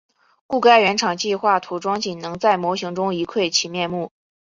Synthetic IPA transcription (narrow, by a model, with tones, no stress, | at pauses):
ku˥˩ka˥ɪɥɛ˧˥nʈ͡ʂʰɑ˨˩ŋt͡ɕi˥˧xwa˥˩t̪ʰu˧˥ʈ͡ʂwɑ˥ŋt͡ɕi˨˩nnɤ˧˥ŋt͡sa˥˩ɪmwɔ˧˥ɕi˧˥ŋʈ͡ʂʊ˥ŋi˧˥kʰwe˥˩ɪt͡ɕʰi˨˩mjɛ˥˧nmu˥˩